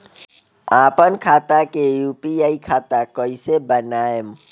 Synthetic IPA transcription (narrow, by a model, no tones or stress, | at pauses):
aːpənkʰaːt̪akejuːpiaːikʰaːt̪akəisebənaːjem